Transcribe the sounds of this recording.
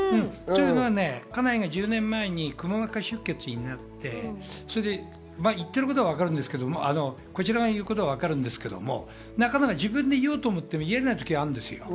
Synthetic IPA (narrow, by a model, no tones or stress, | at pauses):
ɯ̃sojɯːnoβane̞kanaiɡad͡ʑɨːnẽ̞mːae̞ɲ̟ikɯ̟maβakaɕɨkːe̞t͡sɨɲinat̪ːe̞so̞ɾed̪e̞ | maːit̪ːe̞ɾɯko̞t̪oaβ̞akaɾɯ̟̃nd̪esɨ̥ke̞d̪o̞moʔa̰no̞ | ko̞t͡ɕiɾaɡajɯ̟ːkot̪o̞βaβakaɾɯ̟̃nd̪e̞sɨ̥ke̞d̪o̞̰mo̞̰ | nakanakaʑibɯ̟̃nd̪e̞ijoːt̪o̞ːmo̞t̪ːe̞moieɾenait̪o̞kʲiβaɾɯ̃nd̪e̞sɨ̰jo̞̰